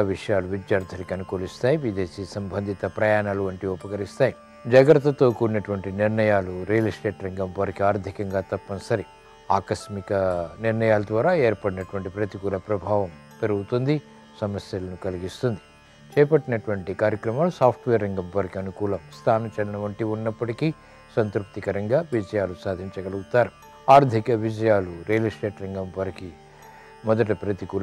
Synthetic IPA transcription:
ʋiʂɐjaːluʋid͡ʒ̪jaːɾd̪ʱɐnikiɐnukoːlist̪aːjiʋid̪eːsiːsɐmbʱɐnd̪ʱit̪ɐpɾɐjaːnaːluɐɳʈiupɐkɐɾist̪aːji | d͡ʒɐɡɐɾɐt̪ːɐt̪oːkuɾinɐʈuʋɐɳʈiniɾɳɐjaːluɾijɐlisʈe̞ːʈɾɐŋɡɐmpɐɾkiaːɾd̪ʱikɐŋɡaːt̪ɐpːɐnɐsɐɾi | aːkɐsmikɐniɾnɐjaːlɐd̪ʋaːɾaːeːɾpɐɽinɐʈuʋɐɳʈipɾɐt̪iɡulɐpɾɐbʱaːʋɐm | peɾuɡut̪und̪i | sɐmɐsjɐlɐnukɐliɡist̪und̪i̥ | t͡ʃɛːpɐʈːinɐʈuʋɐɳʈikaːɾjɐkɾɐmaːlusaːpʰʈʋeːɾːɐŋɡɐmpɐɾikiɐnukuːlɐmst̪ʰaːnɐmt͡ʃɐlɐnɐʋɐɳʈiunːɐpːɐʈikiː | sɐnt̪ɾup̚t̪ikɐɾɐŋɡaːʋid͡ʒɐjaːlusaːd̪ʱiɲt͡ʃɐɡɐlɐɡut̪aːɾu | aːɾd̪ʱikɐʋid͡ʒɐjaːluɾeːlisʈe̞ːʈɾɐŋɡɐmpɐɾiki | mɔd̪ɐʈɐpɾɐt̪ikuːl

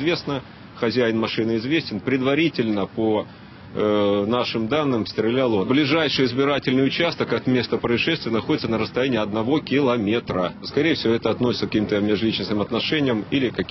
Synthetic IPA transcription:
zvʲe̞snə | xɐzʲæjɪnmɐʂɨnɨɪzvʲesʲtʲɪnpɾʲɪd̪vɐɾʲitʲɪlʲnəpo | naʂɨmd̪anːɨmst̪ɾʲɪlʲalˠoblʲɪʐajʂɨjɪzbʲɪɾatʲɪlʲnɨjʊt͡ɕast̪əkɐt̪mʲe̞st̪əpɾəɪʂɛst̪vʲɪjənɐxo̞dʲɪt̪sənəɾəst̪ɐjænʲɪːɐd̪nɐvo̞kʲɪlˠɐmʲet̪ɾəskɐɾʲejəfsʲɪvoɛt̪əɐt̪no̞sʲɪt̪səkɐkʲimt̪əmʲɪʐlʲit͡ɕnəsnɨmɐt̪nɐʂɛnʲɪjəmilʲɪkɐ

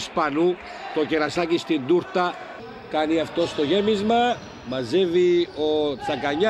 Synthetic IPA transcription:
spɐnu | t̪o̞ceɾɐsɐcist̪ind̪uɾt̪ɐ | kɐniɐft̪o̞st̪oʝemizmɐ | mɐzevio̞t̪t͡sɐkɐɲɐ

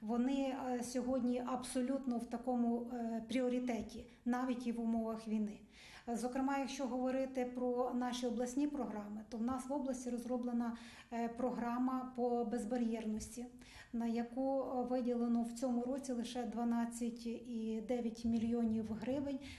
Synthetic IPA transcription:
ʋɔnɪsʲɔɦɔdʲnʲiʔɐbsɔlʲut̪nɔwt̪ɐkɔmʊpɾʲiɔɾʲit̪ɛtʲi | nɑʋʲitʲiʋʊmɔʋɐxʋʲijnɪ | zɔkɾɪmɑjɐkʃt͡ʃɔɦɔʋɔɾɪt̪ɪpɾɔnɑʃʲiɔblˠɐsʲnʲipɾɔɦɾɑmɪt̪ɔwnɑsʋɔblˠɐsʲtʲiɾɔzrɔblˠenɐ | pɾɔɦɾɑmɐpɔbezbɐɾʲjɛrnɔsʲtʲi | nɐjɐkuʋɪdʲilˠenɔwt͡sʲɔmʊɾɔt͡sʲilˠɪʃɛd̪ʋɐnɑt͡sʲːɐtʲid̪ɛʋʲjɐtʲmʲilʲjɔnʲiwɦɾɪʋɪnʲ

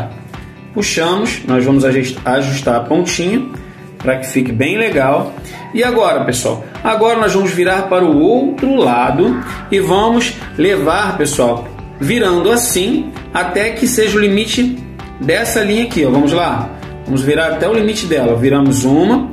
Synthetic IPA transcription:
puʃɐ̃mʊsnɔzvɐ̃mʊzaʃaʒuʃt̪aɾpõt͡ʃĩɲʊ | pɾakɪ̥fikɪbẽj̃leɡaw | ɪaɡɔɾɐpesua̰w | aɡɔɾɐnɔzvɐ̃mʊzviɾaɾpaɾʊowt̪ɾʊlad̪ʊ | ɪvɐ̃mʊz | levaɾpesuaw | viɾɐ̃nd̪ʊasĩ | at̪ɛkɪseʒɐʊlimit͡ʃɪ | d̪ɛsɐlĩɲɐkiɔvɐ̃mʊzla | vɐ̃mʊzviɾaɾat̪ɛʊlimit͡ʃɪd̪ɛlɐviɾɐ̃mʊzũmɐ

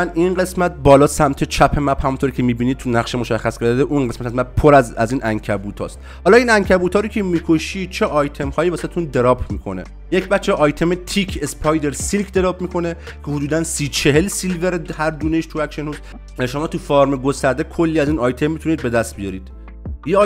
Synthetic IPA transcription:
æninɢe̞smæt̪̚bɒːlɒːsæmt̪ʰet͡ʃʰæpʰe̞mæbhæmunt̪ʰoɾicʲʰemiːbiːniːd̪̚t̪ʰunæχʃemo̞ʃæχːæskʰeɾd̪d̪eʔunɢesmæt̪æzmæb̚pʰoɾæzæziːnʔæŋkʰæbuːt̪ʰɒ̰ːst̪ | hɒːlɒːiːnæŋcʰæbuːt̪ʰɒːɾoːcʰemiːkʰo̞ʃiːd̪̥̚t͡ʃʰeʔɒːjt̪ʰe̞mhɒːjiːvæsæd̪et̪und̪e̞ɾɒːbmiːkʰo̞̰nḛ | jecʰbæt̪t͡ʃːeʔɒjt̪ʰe̞met̪ʰikʰespʰɒjd̪e̞ɾsilkʰd̪e̞ɾɒːbmiːkʰo̞ne | cʰehud̪uːd̪ænsiːt͡ʃʰe̞ɦelsilveɾehæɾd̪uːneʃt̪ʰuvækʃenhuːz | ʃo̞mɒːt̪ʰufɒːɾmeɡo̞st̪æɾd̪ekʰolːiːæziːnɒːjt̪ʰemːit̪ʰuniːd̪̚be̞d̪æst̪̚bijɒːɾiːd̪̥ | je

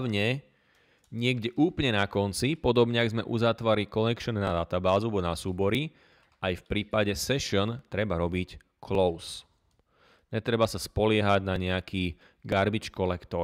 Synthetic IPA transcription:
ʊɲɛ | ɲɪɛɡɟɛʔuːplɲɛnakɔnt͡sipɔd̪ɔbɲɛaɡzmɛʔṵzat̪ʋaɾlikɔnɛkʃɔnnad̪at̪abaːzuabɔnasuːbɔɾi | ʔajfpɾiːpaɟɛsɛʃɔnt̪ɾɛbaɾɔbic | kʰlɔʊs | ɲɛt̪ɾɛbasaspɔlɪɛɦaɟnaɲɛakʰiː | ɡaɾbit͡ʃkɔlɛkt̪ɔ

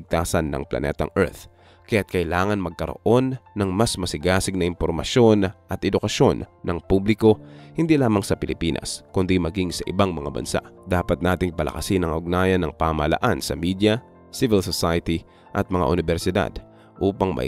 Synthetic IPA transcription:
ɡ̚t̪aːsɐnːɐ̰ŋplɐ̰nɛ̰t̪ɐ̰ŋʔɛ̰ɹt̪ | kɐjat̪̚kɐʔɪlaːŋɐnmɐɡ̚kɐɾo̰ʔo̞nːɐŋmɐsmɐsɪɡaːsɪɡ̚nɐʔɪmpoɾmɐ̰ʃjo̞nʔɐt̪ʔɛd̪ʊkɐso̞nːʔɐŋpublɪko̞hɪnd̪ilaːmɐŋsɐpɪlɪpiːnʔɐ̰skʊnd̪imɐɡiŋsɐʔɪbaŋmɐŋa̰bɐ̰nsa̰ʔd̪aːpɐt̪̚naːt̪ɪŋpɐlʔɐ̰kɐsɪnɐŋʊɡ̚naːjɐnːɐŋpaːmɐɐlɐ̰ʔansɐmid̪jɐ | sivɪlsosajɐt̪i | ʔɐt̪̚mɐŋa̰ʔʊnɪbɛɾsɪd̪a̰d̪ | ʔuːpɐŋmɐ̰

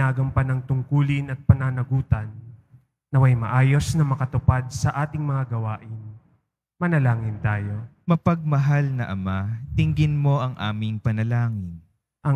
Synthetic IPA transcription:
aːɡɐmpɐnɐŋt̪ʊŋkuːlɪnɐt̪̚pɐnanɐɡuːt̪ɐnː | ɐwɐjmɐ̰ʔaːjo̞snɐmɐkɐt̪ʊpad̪̚sɐʔaːt̪ɪŋmɐŋaɡɐwaːʔɪn | mɐnɐlaːŋɪnt̪aːjo̞mɐpɐɡ̚mɐɦalnɐ̰ʔɐmat̪ɪŋɡɪnmo̞ʔɐŋʔa̰ːmɪŋpɐnɐlaːŋɪn | ʔɐ

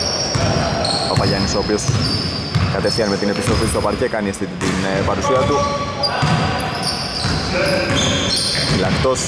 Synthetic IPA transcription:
ɐpɐʎɐniso̞ːpio̞s | kɐt̪e̞fθiɐnme̞t̪ine̞pist̪ɾofist̪opɐɾcekɐniest̪it̪t̪inpɐɾusiɐt̪u | filɐkt̪o̞s

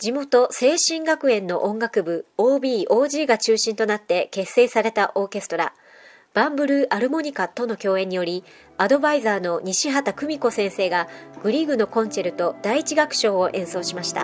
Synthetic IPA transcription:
d͡ʑimo̞t̪o̞se̞ːɕĩŋɡakɯ̟ẽ̞nːo̞̰ʔõŋɡakɯ̟bɯ̟oːbʲiːʔo̞ːʑiːɡat͡ɕɨːɕĩnt̪o̞nat̪ːe̞ke̞sːe̞ːsaɾe̞t̪aʔo̞ːke̞sɨ̥t̪o̞ɾa̰ | b̥ãmbɯ̟ɾɯ̟ʔaɾɯ̟mo̞ɲ̟ikat̪o̞no̞kʲo̞ːẽ̞ɲ̟ːijo̞ɾʲi | ad̪o̞baizaːno̞ɲ̟iɕiɦat̪akɯ̟mʲiko̞sẽ̞ɰ̃se̞ːɡaɡ̥ɯ̟ɾʲiɡɯ̟no̞kõ̞nt͡ɕe̞ɾɯ̟t̪o̞d̪aiːt͡ɕiɡakɯ̟̥ɕo̞ːoʔẽ̞ɰ̃so̞ːɕimaɕi̥t̪a̰

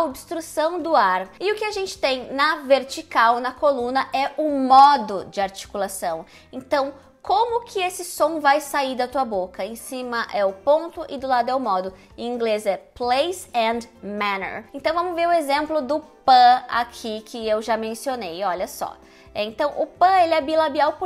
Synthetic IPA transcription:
ɐobst̪ɾusɐ̃w̃d̪ʊaɾɪʊkɪaʒẽnt͡ʃɪ̥t̪ẽj̃nɐveɾt͡ʃikawnɐkolũnɐʔɛʊmɔd̪ʊd͡ʒɪaɾt͡ʃi̥kulasɐ̃w̃ | ẽnt̪ɐ̃w̃ | kʰõmʊkʰɪesɪsõw̃vajsaiɾd̪ɐt̪uɐbokɐẽsĩmɐʔɛʊpõnt̪ʊʔɪd̪ʊlad̪ʊɛʊmɔd̪ʊ̃ | ĩŋɡlezɛplejsɛ̃d̪manḛɾẽnt̪ɐ̃w̃vɐ̃mʊzveɾʊezẽmplʊd̪ʊpɐ̃a̰kʰikʰɪewʒamẽsionejɔʎɐsɔ̰ | ɛẽnt̪ɐ̃w̃ʔʊpɐ̃elɪɛbilabiawpʊ

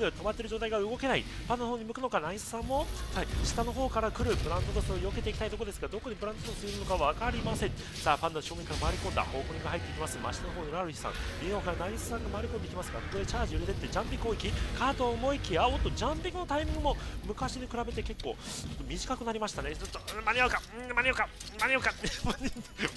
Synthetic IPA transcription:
ɯ̟t̪o̞mat̪ːeɾɯ̟d͡ʑoːt̪aiɡaɯ̟ɡo̞ke̞naipãnːohoːɲ̟imɯ̟kɯ̟nokanaisɨ̥sãmːo̞saiɕi̥t̪ano̞ɦo̞ːkaɾakɯ̟ɾɯ̟bɯ̟ɾãnt̪ot̪osoɾoioket̪e̞ikʲi̥t̪ait̪o̞kood̪esɨɡad̪o̞kːoɲ̟ipɯɾãnt̪ot̪osɨeɾɯ̟nokaβakaɾʲimasẽ̞ɴ | saːpãnːoɕoːɡʲeŋkaɾamaːɾʲikõ̞nd̪a̰ho̞ːkoɲĩŋɡaɦait̪ːeikʲimasɨma̰ɕit̪anoɦo̞ːniɾaɾɯ̟çʲi̥sã̰ŋmʲiokaɾanaiisɨ̥sãŋɡamaːɾʲiko̞nd̪eikʲimasɨɡa̰kokod̪et͡ɕaːʑiɯ̟ɾet̪e̞t̪ːe̞d͡ʑãmpʲikɯoikʲikʰaːt̪omo̞ikʲiaot̪ːod͡ʑãmpʲikːɯno̞t̪aimʲĩŋɡɯmo̞mɯ̟kaɕiɲʲikɯ̟ɾabe̞t̪eke̞kːo̞̰ːt͡ɕo̞t̪ːomʲiʑikakɯ̟naɾʲimaɕi̥t̪ane̞t͡ɕot̪ːomanʲiakamanʲioka | maɲʲiokamanʲ

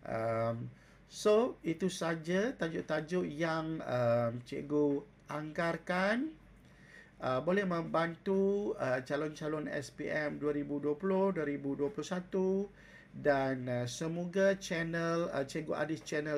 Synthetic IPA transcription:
ʔəm | soit̪usad͡ʒat̪ad͡ʒʊʔt̪ad͡ʒʊʔjaŋəmt͡ʃḛɡo | ʔaŋɡarkan | ʔəbolɛhmə̃mbant̪uət͡ʃalɔnt͡ʃalɔnɛ̰spiʔɛmduaɾibuduapulʊhduaɾibuduapulʊhsat̪u | danəsəmoɡat͡ʃɛnələt͡ʃeɡuʔa̰dɪst͡ʃɛnə

